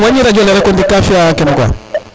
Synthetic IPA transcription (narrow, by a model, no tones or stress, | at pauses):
aɲiɾad͡ʒɔlɛɾɛkundikafiakɛnuɡa̰